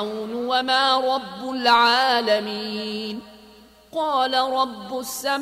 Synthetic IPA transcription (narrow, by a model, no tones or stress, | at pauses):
wnwamaːɾˤɑbːʊlʕaːlamiːn | qɑːlaɾˤɑbːʊsːam